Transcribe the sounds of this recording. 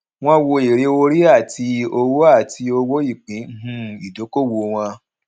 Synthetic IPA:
w̃ɔ̃˧wo˧e˨ɾe˧o˧ɾi˦a˦˨ti˧o˧wo˦a˦˨ti˧o˧wo˦i˦˨k͡pĩ˨˦ɦũ˧i˨do˨˦ko˦˨wo˧w̃ã˧

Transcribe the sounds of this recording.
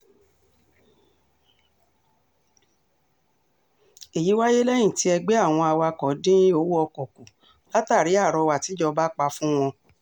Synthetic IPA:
e˨ji˨˦wa˦je˦lɛ˦j̃ĩ˦˨ti˨˦ɛ˧ɡ͡be˦a˦˨w̃ɔ̃˧a˧wa˧kɔ˨˦dĩ˦ĩ˦o˦wu˦ɔ˧kɔ˨ku˨ | la˦ta˦˨ɾi˨˦a˦˨ɾɔ˧wa˨ti˨˦d͡ʒɔ˧ba˦k͡pa˧fũ˦w̃ɔ̃˧

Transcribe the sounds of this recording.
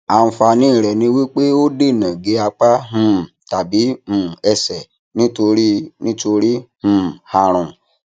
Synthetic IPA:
a˨ñ̩˧fa˧nĩ˦˨ɾɛ˨nĩ˧˦wi˦k͡pe˦o˦de˦˨nɛ̃˨ɡe˧˦a˧k͡pa˦ɦũ˦˨ta˨bi˨˦mũ˨ɛ˧sɛ˨ | nĩ˦to˧ɾi˦nĩ˦to˧ɾi˦h̩˨ha˧ɾ̃ũ˨

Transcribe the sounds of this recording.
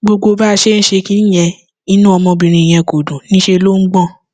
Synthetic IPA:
ɡ͡bo˧ɡ͡bo˧ba˦˧ʃe˦n̩˦ʃe˧ki˦n˦j̃ɛ̃˧ | i˦nũ˦ɔ˧mɔ̃˧bĩ˧ɾ̃ĩ˧i˨j̃ɛ̃˧ko˨dũ˨nĩ˦ʃe˧lo˦ŋ̩˦ɡ͡bɔ̃˦˨

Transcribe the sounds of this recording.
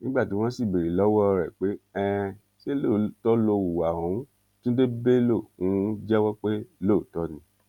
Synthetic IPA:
nĩ˨˦ɡ͡ba˦˨ti˨˦w̃ɔ̃˦si˦˨be˨ɾi˨lɔ˨˦wɔ˦˧ɾɛ˨k͡pe˨˦ɛ˦˧ | ʃe˦lo˦˨tɔ˦lo˧wu˨wa˨ũ˨˦ | tũ˦de˦be˦lo˦˨ũ˨˦d͡ʒɛ˦wɔ˦k͡pe˦lo˦˨˦tɔ˦nĩ˨˧˦

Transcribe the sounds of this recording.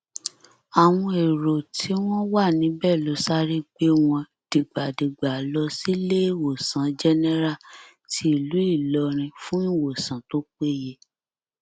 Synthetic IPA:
a˨w̃ɔ̃˧e˨ɾo˨tʰi˨˦w̃ɔ̃˦wa˦˨nĩ˨˦bɛ˦˨lo˨˦sa˦ɾi˦k͡pe˦w̃ɔ̃˧ | d̥i˨ɡ͡ba˨di˨ɡ͡ba˨lɔ˧si˦le˦˨wo˨sã˨˦d͡ʒɛ˦nɛ˦ɾa˦˨ | tʰi˦i˦˨lu˨˦i˦˨lɔ˧ɾ̃ĩ˧fũ˦i˦˨wo˨sã˨˦to˦k͡pe˦˨je˦

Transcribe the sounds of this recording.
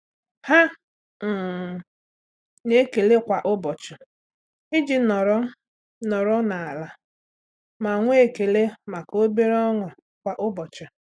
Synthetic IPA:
ha˦ | m̩˨ | ɲe˦ke˨le˦kʷa˨ʔʊ˦bɔ˨t͡ʃʊ˨ | i˦d͡ʒi˦nɔ˨ɾɔ˦ | nɔ˨ɾɔ˦na˨a˨la˨ | ma˨ŋʷʊ˦e˨ke˨le˦ma˨ko˦be˦ɾɔ˦ŋʊ˨ | kʷa˨ʔʊ˦bɔ˨t͡ʃʊ˨

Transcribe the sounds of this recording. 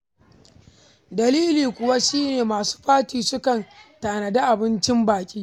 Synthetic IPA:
dɐ˨liː˦liː˨kʷʊ˨wa˦ʃiː˦neː˨maː˨su̥ː˦ɸaː˦tiː˨sʊ˦kɐ˨ntaː˨nɐ˨da˦ʔa˨bɪ˦nt͡ʃɪ˦mbaː˨kʲʼiː˦

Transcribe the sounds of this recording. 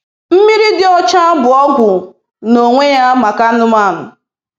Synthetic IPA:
m̩˦mi˦ɾi˦dɪ˦ɔ˦t͡ʃa˦bʊ˨ɔ˦ɡʷʊ˨ | no˨ŋʷe˦ja˦ma˨ka˦nʊ˦ma˦˨nʊ̰˨

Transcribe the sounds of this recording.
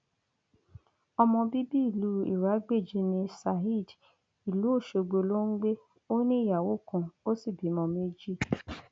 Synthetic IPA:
ɔ˧mɔ̃˧bi˦bi˦i˦˨lu˨˦ḭ˨ɾa˨˦ɡ͡be˦˨d͡ʒi˦nĩ˧sa˧˨ɦi˦˨d | i˨lu˨˦o˦˨ʃe˧ɡ͡bo˧lo˦ŋ̩˦ɡ͡be˦ | o˦nĩ˦˨ja˨wo˦˨kũ˧˨o˦si˦˨bi˨˦mɔ̃˧mẽ˦d͡ʒi˦˨

